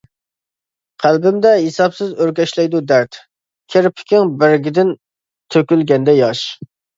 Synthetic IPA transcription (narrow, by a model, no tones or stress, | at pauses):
qʰælbɪmd̪ɛɦesɑpsɪzøɾkʲɛʃlɛjd̪ud̪æɾt̪ | kʲʰeɾpʰɪ̥kʲɪŋbɪɾɡʲɪd̪ɪn | t̪ʰøkʲylɡʲɛnd̪ɛjɑʃ